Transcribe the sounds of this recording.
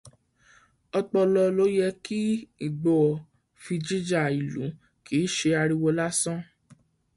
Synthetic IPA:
ɔ˧k͡pɔ˧lɔ˧lo˦jɛ˧ki˦i˦˨ɡ͡bɔ˨ | fi˧d͡ʒi˦d͡ʒa˦˨i˨lṵ̃˨˦ | ki˨˦ʃe˧a˧ɾi˧wo˧la˦sɔ̃˦

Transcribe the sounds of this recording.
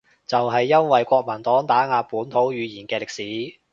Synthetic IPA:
t͡sɐ˨wɦɐ˨jːɐ˥nwɐ˨jkʷɔː˧k̚mɐ˨˩nt̪ɔː˨˥ŋt̪aː˨˥ŋaː˧puː˨˥nt̪ʰo˨˥wjyː˨˧jiː˨˩nkɛː˧lɪ˨k̚siː˨˥

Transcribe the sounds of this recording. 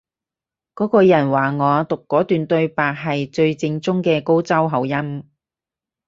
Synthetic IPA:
kɔː˨˥kɔː˧jɐ˨˩nwaː˨˩ŋɔː˨˧t̪ʊ˨kːɔː˨˥t̪yː˨nt̪ɵ˧ɥpaː˨k̚ɦɐ˨jt͡ʃɵ˧ɥt͡sɪ˧ŋt͡sʊ˥ŋkɛː˧ko˥wt͡sɐ˥wɦɐ˨˧wjɐ˥m

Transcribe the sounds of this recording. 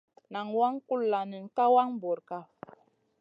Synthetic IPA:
na˨ŋwa˦ŋku˦lːa˨ni˨n˨ka˦wa˦ŋbɔ˨ɾka˦

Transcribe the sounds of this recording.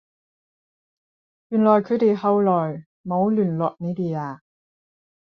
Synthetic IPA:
jyː˨˩nlɔː˨˩jkʰɵ˨˧˥t̪e˨jhɐ˨˧wlɔː˨˩j | mo˨˧˥wlyː˨˩nlɔː˨k̚ne˨˧˥t̪iː˨˩aː˨˧

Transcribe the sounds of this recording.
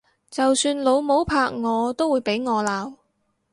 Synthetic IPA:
t͡sɐ˨wsyː˧nlo˨˧wmo˨˥wpʰaː˧k̚ŋɔː˨˧t̪o˥wuː˨˧jpe˨˥jŋɔː˨˧laː˨˧w

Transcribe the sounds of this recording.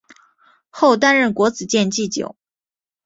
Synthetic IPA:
xo˥˩ʊt̪a˥nɻə˥˩nkwɔ˧˥t͡sɹ̩˨˩t͡ɕjɛ˥˧nt͡ɕi˥˩t͡ɕjo̰˨˩˦ʊ

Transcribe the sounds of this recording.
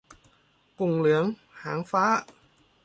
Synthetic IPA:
kʊ˨˩ŋ͡mlɨ˨˦əŋ | haː˨˩˦ŋfaː˨˥

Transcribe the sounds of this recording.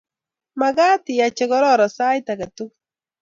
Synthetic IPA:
maɣaː˦ti˨ja˨t͡ʃɛɣɔ˦ɾɔ˦ɾa˨sa˦jt̪a˨ɡa˨tu˦k̚

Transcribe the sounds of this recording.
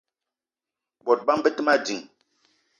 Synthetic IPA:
bɔ˨t̚ba˦mbə˦tə˦ma˦di˨ŋ

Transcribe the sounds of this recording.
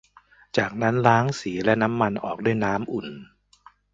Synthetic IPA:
t͡ɕaː˨˩k̚na˦˥nɾaː˦˥ŋsiː˩˦lɛ˦˥na˦˥mːa˧nʔɔ̰ː˨˩k̚du˥˩əjnaː˦˥mʔu˨˩n

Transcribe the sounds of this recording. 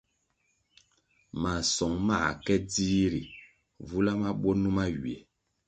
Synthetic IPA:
ma˨sɔ˨ŋma˦˨kɛ˦diː˦ɾi˨ | vu˦la˦ma˦ɓo˦nu˦ma˦ɥi˨e˨

